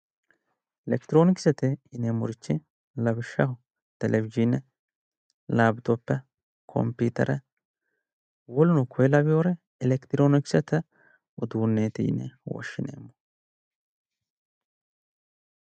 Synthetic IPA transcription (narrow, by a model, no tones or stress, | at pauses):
ʔɛlɛkt̪ɾoːnɪksɛt̪ɪɪnemʊ̰ɾɪt͡ʃːɪ | lɐbɪʃːɐhʊ | t̪ɛlʔɛvɪd͡ʒinɛ | laːbɪt̪opːɛ | kʰɔ̰mpːiːt̪ɐ̰ɾɛ | wɔlʊnʊkʰɔjɛlɐbɪjoːɾɛ | ɪlɛkt̪ɪɾoːnɪksɛt̪ɛ | ʊd̪uːnːeːt̪ḭːnːɛ̰wɔ̰ʃːɪnḛːmːɔ̥